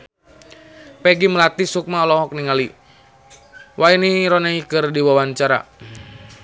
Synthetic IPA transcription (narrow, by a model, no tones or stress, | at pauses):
pɛɡiməlat̪isuk̚maɔlɔɦɔk̚niŋali | wainiɾɔnaikɨrdiwawaɲt͡ʃaɾa̰